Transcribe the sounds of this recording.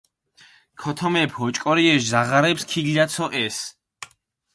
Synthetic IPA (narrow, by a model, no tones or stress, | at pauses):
kʰɔt̪ʰɔmɛpʰhɔt͡ʃʼkʼɔɾiɛʃzaʁaɾɛpskʰiɡlat̪sʰɔʔɛs